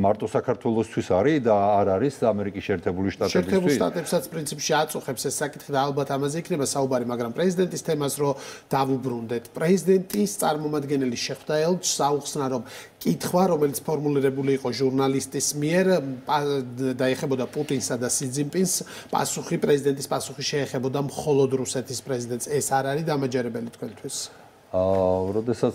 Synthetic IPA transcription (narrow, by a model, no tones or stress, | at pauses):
maɾt̪ʼɔsakʰaɾt̪ʰwɛlˠɔst̪ʰwisaɾid̪aːɾaɾisamɛɾikʼisʃɛːɾt̪ʰɛbuliʃt̪ʼat̪ʃʼɛɾt̪ʰɛbulˠʃt̪ʼa̰t̪ʼɛpsat̪sʰpʼɾint̪sʰipʃiat̪sʼuχɛpsɛsːakʼit̪ʰχid̪aːlˠbat̪ʰamazɛikʰnɛbasaubaɾimaɡɾampʼɾɛzid̪ɛnt̪ʼist̪ʰɛmasɾɔd̪̥avubɾund̪ɛt̪ʰpʼɾɛzid̪ɛnt̪ʼist̪sʼa̰ɾmɔmad̪ɡɛnɛliʃɛχwd̪aɛlˠt͡ʃsauχsnaɾɔmkʼit̪ʰχwaɾɔmɛlit̪sʰpʰɔɾmuliɾɛbuliːqʼɔʒuɾnalist̪ʼismiɛɾpʼad̪aɛχɛbɔd̪apʼut̪ʼinsad̪asid̪zimpʼins | pʼa̰suχipʼɾɛzid̪ɛnt̪ʼispʼasuχiʃɛːχɛbɔd̪amχɔlˠɔd̪ɾusɛt̪ʰispʼɾɛzid̪ɛnt̪sɛsaɾaɾid̪amad͡ʒɛɾɛbɛlit̪ʰkʰwɛnt̪ʰwis | ɾɔd̪ɛsa